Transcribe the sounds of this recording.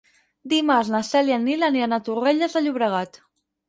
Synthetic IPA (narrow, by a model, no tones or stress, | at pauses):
d̪imaznasɛlianːilanianat̪ureʎəzəʎuβɾəɣ̞at̪